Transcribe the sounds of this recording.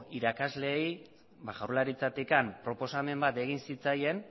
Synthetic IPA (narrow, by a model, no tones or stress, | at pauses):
iɾakazle̞ːj | baʝawrlaɾit͡sat̪ikampɾo̞po̞same̞mbat̪e̞ɣ̞insit͡saje̞n